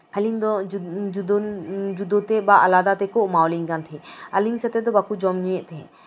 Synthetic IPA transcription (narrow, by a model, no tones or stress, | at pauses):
aliŋd̪ɔd͡ʒd̪d͡ʒud̪ɔt̪ɛbaʔalad̪at̪ɛkɔʔmawliŋɡant̪ʰiɐliŋsɛt̪ɛd̪ɔbakud͡ʒɔmɲiɛʔt̪ʰɛ